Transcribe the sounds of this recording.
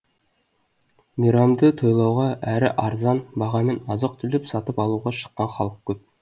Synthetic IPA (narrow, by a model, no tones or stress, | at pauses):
miɾɑmd̪ət̪ʰo̞jlˠɑwʁɑʔæɾɪ̰ʔɑɾzɑnbɑʁɑme̞nɑzəq̚t̪ʰʏlɪpsɑt̪əpɑlˠuʁɑʃə̥qːɑnχɑlˠəq̚kʲʰːɵp̚